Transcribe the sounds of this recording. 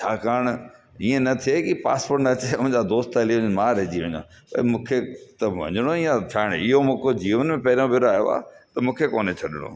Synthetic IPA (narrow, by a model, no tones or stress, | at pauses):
t͡ɕʰaːkaːɾɽ̃ | iːẽnɐt̪ʰiekipa̰ːspoːɾʈnɐt͡ɕeʊ̃ɦɪ̃ɲd͡ʑad̪oːst̪ɐliʋmãːɾɐɦd͡ʑiʋɐ̃ɲã̰ː | pɐ̰imũːkʰet̪ɐʋɐ̰̃ɲɪɽ̃oijãt͡ɕʰaːɪɽ̃ɪɦomũkod͡ʑiːʋənmẽpɐɦɪɾõbɪɾaːjoa̰t̪ɐmũːkʰekoːnet͡ɕʰɐɗɪɽ̃o̰ː